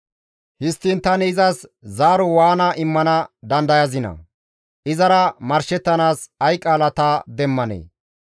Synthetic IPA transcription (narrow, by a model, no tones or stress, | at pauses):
hɪst̪ːɪnt̪ɐnɪzɐszaːɾɔwaːnɐʔɪmːɐnɐd̪ɐnd̪ɐjɐzɪnɐ̰ | ʔɪzɐɾɐmɐɾʃɛt̪ːɐnaːsɐjkʼːaːlɐt̪ad̪ɛmːɐnḛː